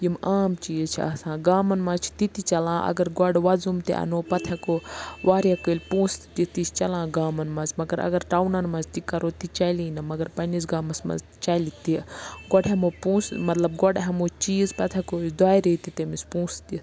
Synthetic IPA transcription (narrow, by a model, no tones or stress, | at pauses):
jimaːmt͡ʃiːzt͡ʃʰḭɐ̰sãːɡaːmɐnmɐt͡ʃʰt̪it̪it͡ʃɐlãːʔɐ̰ɡɐɾɡɔɖʋɐzumt̪ḭʔɐ̰noːpɐt̪ʰɐkoʋaːɾjakəlʲpũːst̪t̪it̪ist͡ʃɐlãːɡaːmɐnmɐzmɐɡɐɾɐ̰ɡɐɾʈaːwnɐnmɐzt̪ikɐɾoːt̪it͡ʃɐlinɐmɐɡɐɾpɐnisɡaːmɐsmɐ̰z | t͡ʃɐlit̪iɡɔɖɦɐmopũːsmɐt̪lɐbɡɔɖɦɐmot͡ʃiːzpɐt̪ʰɐkosd̪aːjɾet̪it̪emispũːst̪it̪